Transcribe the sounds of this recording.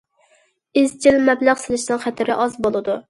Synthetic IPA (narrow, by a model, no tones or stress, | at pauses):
ɪzd͡ʒɪlmɛblæʁsɨlɪʃd̪ɨŋχæt̪ʰɪɾɪʔɑzbolˠɨd̪u